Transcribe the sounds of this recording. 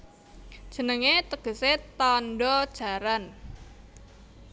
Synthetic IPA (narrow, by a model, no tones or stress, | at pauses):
ʒ̥ə̤nəŋet̪əɡ̥ə̤set̪ɔnɖɔd̥ʒ̥a̤ɾan